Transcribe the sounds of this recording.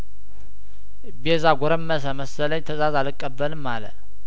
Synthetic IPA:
bezaɡʷɔɾəmːəs̬əməsːələɲt̪ʰəzazalɨkʼːəbːəlɨmːalə̰

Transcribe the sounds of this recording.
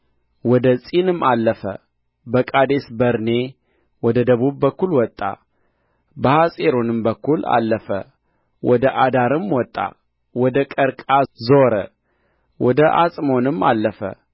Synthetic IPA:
wɔd̪əsʼinɨmalːəfə̰ | bəkʼad̪e̞sbəɾne̞ | wɔd̪əd̪əβuβːəkːulwɔt̪ʼːa̰ | bəhasʼeɾonɨmbəkːula̰lːəfə̰ | wʔɔd̪əʔad̪aɾɨmwɔt̪ʼːa̰ | wɔd̪əkʼəɾkʼazoɾə̰ | wʔɔd̪əʔasʼmo̞nɨmːa̰lːəfə̰

